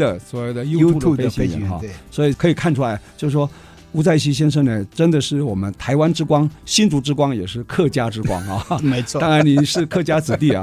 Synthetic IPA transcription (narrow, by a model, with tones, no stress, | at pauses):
ə˨swɔ˧˥we˥˩ɪd̪ə˩jo˥ʊ˥u˥˩˥pe˥˧˥ɕḭ˧˥˨ɑ̰˥˧swɔ˧˥i˨˩kʰɤ˧˥i˨˩kʰa˥˩nʈ͡ʂʰu˥la˧˥ɪt͡ɕjo˥˧ʊʂ̩˧˩ʂwɔ˥ | u˧˥t͡sa˥˩ɪɕ̬i˥ɕ̬jɛ˥nʂ̬ɤ˥˩ŋnə˨˩ʈ͡ʂə˥nd̪ə˨ʂɻ̩˥˩wɔ˨˩mə˦nt̪ʰa˧˥ɪwa˥nʈ͡ʂɻ̩˥kwɑ˥ŋɕi˥nt͡su˧˥ʈ͡ʂɻ̩˥kwɑ˥ŋjɛ˨˩ʂɻ̩˥˩kʰɤ˥˩t͡ɕja˥ʈ͡ʂɻ̩˥kwɑ̰˥ŋa˧˩me˧˥ɪt͡sʰɔ˥t̪ɑ˥ŋɻa˧˥nni˨˧˥nʂɻ̩˥˧kʰɤ˥˩t͡ɕja˥t͡sɹ̩˨˩t̪i˥˩ɐ̰˩